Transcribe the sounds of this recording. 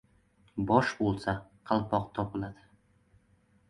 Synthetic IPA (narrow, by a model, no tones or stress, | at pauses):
bɒʃbolˠsaqʰɑlˠpɒqt̪ʰɒpɪlad̪̥ɪ